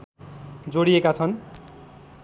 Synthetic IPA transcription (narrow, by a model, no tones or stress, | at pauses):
d͡zoɽiekat͡sʰʌn